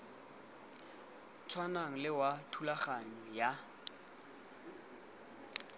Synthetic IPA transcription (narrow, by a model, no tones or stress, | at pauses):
t͡sʰwanaŋ̩lɪwatʰulaχaɲɔja